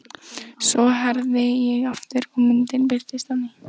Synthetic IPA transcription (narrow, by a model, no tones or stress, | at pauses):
sɔɦɛɾðɪjɛɣaft̪ʏɾ̥kʰɔmʏnt̪ɪnpɪɾt̪ɪst̪ami